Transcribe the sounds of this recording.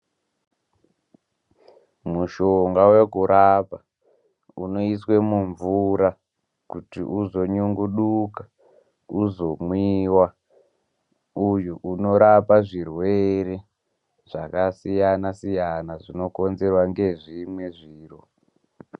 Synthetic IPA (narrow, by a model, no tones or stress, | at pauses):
muʃoŋɡawekuɾʔapa | unoiswe̞muɱvuɾa | kutḭʔuzoɲuŋɡuɗukḁ | uzo̞mwiwa | ujuʔuno̞ɾapaʐirwe̞ɾe̞ | ʐ̥akasijanasijanaʐino̞ko̞nze̞rwaŋɡe̞ʐimwe̞ʐiːro